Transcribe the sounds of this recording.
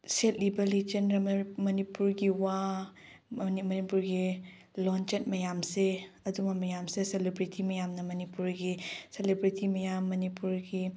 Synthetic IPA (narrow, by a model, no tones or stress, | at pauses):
set̚libɐlit͡ʃenɾɐmɐmɐnipuɾɡiwa | imɐnipuɾɡi | lɔnt͡ʃet̚mɐjamse | ɐdumɐmɐjamseselebɾitʰimɐjamnɐmɐnipuɾɡiselebɾitʰimɐjamːɐnipuɾɡi